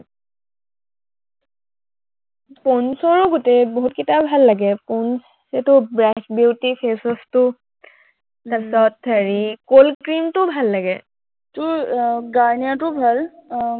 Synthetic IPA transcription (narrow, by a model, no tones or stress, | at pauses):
ponsɔɹɔɡotɛboɦut̚kitabʱalːaɡɛpɔns | etʊbɹɛkbiwtifʰesɔstʊ | tasɔtʰːaɹikolkɹimtʊbʱalːaɡɛ | tʊɡaɹnijatʊbʱal